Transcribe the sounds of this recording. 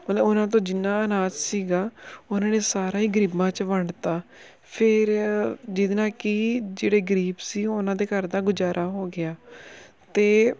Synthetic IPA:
məlʊnãːt̪̬õːd͡ʒɪnːaːənaːzsiːɡaːʊnãːneːsaːɾaːiːɡəɾiːbãːt͡ʃʋəɳt̪aː | pʰɪɾd͡ʒɪd̪nãːkiːd͡ʒeːɽeːɡəɾiːbsiːʊnãːd̪eːkəɾd̪ãːɡʊd͡ʒaːɾʔaːɦoːɡɪaː | t̪eː

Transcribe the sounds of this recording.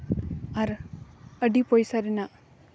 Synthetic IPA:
aɾəɖipɔjsaɾɛnaʔ

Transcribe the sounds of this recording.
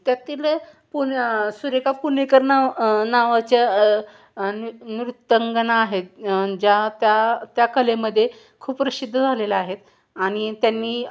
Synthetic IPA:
t̪jat̪iːl | punsuɾekapunekəɾnanaʋat͡ɕja | nniɾut̪ːəŋɡənaːɦet̪̚d͡ʑat̪jat̪jakəleməd̪ʱːje | kʰuːppɾəsid̪ʱːəd͡zʱalelaaɦet̪ | aɽ̃it̪janːiː

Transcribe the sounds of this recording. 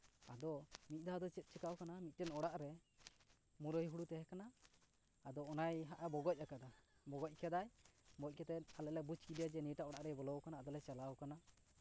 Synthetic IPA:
ad̪ɔmit̪̚ˀd̪aɦad̪ɔt͡ʃɛt̪̚ˀt͡ʃʰɛkawkanamit̪̚ˀtɛnɔɽaʔɾɛ | muɾəjɦuɽut̪ɛɦɛkanaː | d̪ɔːnajɦaʔabɔɡɔc̚akad̪abɔɡɔc̚ˀkɛd̪ajbɔc̚ˀkɛt̪ɛn̚alɛʔlɛbut͡ʃkid̪jad͡ʒɛniʈaʔɔɽaʔɾɛbɔlɔkanaːd̪ɔlɛt͡ʃalawkana

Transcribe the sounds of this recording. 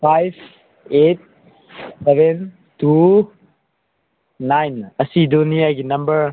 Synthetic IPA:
pajb | et̚ | sɛbɛn | tu | nːajnɐsid̪uniaɡinɐmbəɾ

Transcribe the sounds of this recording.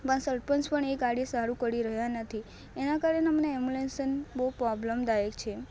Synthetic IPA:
pəɳsəɾpənspəɳeɡaɽesaɾũkəɾiɾəɦjanət̪ʰi | enakaɾəneməneemulensənboɦupɾɔbləmd̪ajekt͡ʃʰe

